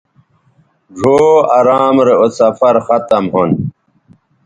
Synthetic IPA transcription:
ʐʱoːɐɾaːmɾeosɐfɐɾxɐt̪ɐmɦon

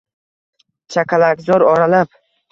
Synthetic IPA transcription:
t͡ʃʰakʰʲalaɡʲzɒɾɒɾalap

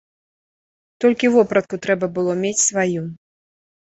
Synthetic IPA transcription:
t̪ɔlʲkʲivɔpɾɐt̪̚kut̪ɾɛbɐbɨlˠɔmʲet͡sʲsvaju

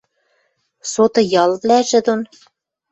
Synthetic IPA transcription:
sot̪ɤ̆jɑlˠβlæʒɘ̆d̪on

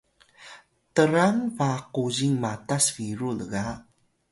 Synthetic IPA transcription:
təɾaŋvaquʑiŋmatasviɾuləɣa

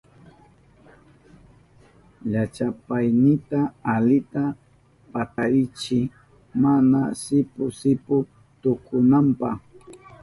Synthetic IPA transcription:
ʎat͡ʃapajnɪt̪aːlɪt̪a | pat̪aɾɪt͡ʃɪ | manasɪpʊsɪpʊ | t̪ʊkʰʊnampa̰χ

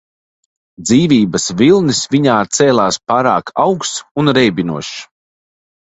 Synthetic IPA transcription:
d̪ziːviːbɐsvilˠnisviɲaːt̪sɛːlˠaːspaːɾaːkʰawksunɾɛjbʲinuɔʃ

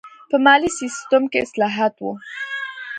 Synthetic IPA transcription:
pəmɑlisist̪omkeɪslɑɦat̪wu

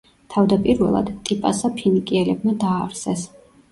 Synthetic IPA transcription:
t̪ʰavd̪apʼiɾvɛ̰lˠa̰d̪t̪ʼipʼasapʰinikʼiɛlɛb̚mad̪aːɾsɛs

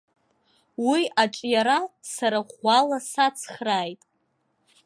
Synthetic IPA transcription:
wiaʈ͡ʂʼjaɾasaɾaʁʷalasat͡sʰχraːjtʼ

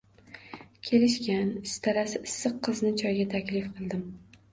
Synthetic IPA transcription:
kʲʰe̞lɪʃkʲanɪst̪ʰaɾasɪɪsːɨqʰːɨznɪt͡ʃʰɒjɡʲat̪ʰakʲlɪfqʰɨlˠd̪ɪm

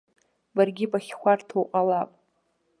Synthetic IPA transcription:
barɡʲɪbaχʲkʷartʰowqʼalapʼ

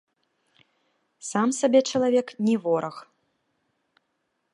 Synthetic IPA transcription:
samsabʲɛt͡ʂɐlˠavʲɛknʲɛvɔɾɐx

